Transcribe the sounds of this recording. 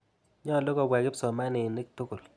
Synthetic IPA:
ɲɔ˦˨lo˦ɡɔ˨wɛ˨ɡɪ˦psɔ˨ma˦nɪ˨ne˦k̚tʊ˦ko˨l

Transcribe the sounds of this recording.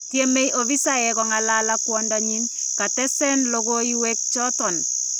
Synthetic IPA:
tje˦me˦jʔo˨βi˦sa˦jɛ˨kɔ˨ŋa˨la˦la˦kwɔndɔɲi˦n | ka˨tɛ˦sɛ˦nlo˦ɡo˦i˦wɛk̚t͡ʃɔ˦tɔ˨n

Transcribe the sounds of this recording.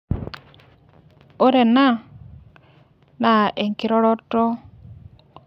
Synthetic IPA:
o˦ɾe˨na˦˨ | na˨ʔe˨ŋki˨ɾɔ˦ɾɔ˦tɔ˦

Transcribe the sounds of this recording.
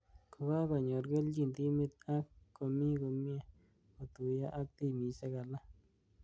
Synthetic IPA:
ko˧˨βa˦ɡa˧˨ɲo˨ɾɡe˦ld͡ʒi˧˨nd̪i˦mi˧t̪a˦kko˧mĩ˦ɡo˧mi˦a˧ | o˨t̪u˨ja˦ʔa˦k̚t̪i˧mi˨sa˦ɡa˨la˦

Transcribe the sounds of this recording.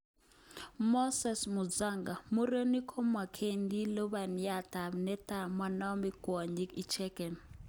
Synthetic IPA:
mɔ˦sɛ˨smu˨d͡za˦˨ŋɡa˨mu˦ɾə˦ni˦kʰɔ˦mwa˨kʰe˦˨ndi˦lɔ˦ba˨n˨ja˦˨ta˨bnɛ˦ta˨ma˨nɔ˦mi˦ɡwɔ˨ɲi˦ki˦t͡ʃʰɛ˦kɛ˨n

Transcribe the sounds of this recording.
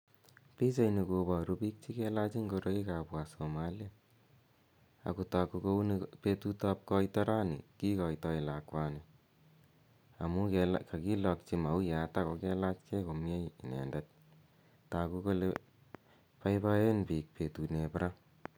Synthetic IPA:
pi˦t͡ʃa˨jni˨ko˧bɔ˨ɾu˧pi˦k̚t͡ʃi˦kɛ˦la˦t͡ʃi˦ŋɡo˧ɾo˦i˦ka˨bwa˨somalia˨ | a̰˨ku˨ta˨kːu˧ko˦u˦npe˦tu˦tɔ˦p̚kɔ˦itɔ˦ɾa˦nḭ˨ki˦kɔ˨itɔ˦i˨la˨kwa˦ne˨ | a˨mu˦kka˨ki˦lɔ˧k̚t͡ʃi˦ma˨u˦ja˨ta˦ko˧kɛ˦la˦t͡ʃkʰe˦ko˨mje˦ii˨nɛ̰˨ndɛ˦t̚ | taku˦ko˦le | pa˦ipa˦je˦npi˨k̚pʰe˨tu˨nepɾa˦

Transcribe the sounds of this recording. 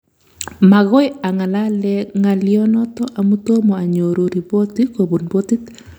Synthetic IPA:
ma˨ɣɔ˦ja˨ŋa˨la˦lɛŋa˨ljɔ˦nɔ˦t̪ɔ˦ʔa˨mu˦t̪o˦mɔ˨a˨ɲo˨ɾo˨ɾi˨bo˦t̪iko˨bu˨nbo˦t̪i˦t̪

